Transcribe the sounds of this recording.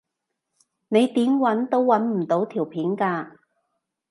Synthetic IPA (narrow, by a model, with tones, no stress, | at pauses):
ne˨˧jt̪iː˨˥mwɐ˨˥nt̪o˥wːɐ˨˥nm̩˨˩t̪o˨˥wt̪ʰiː˨˩wpʰiː˨˥nkaː˧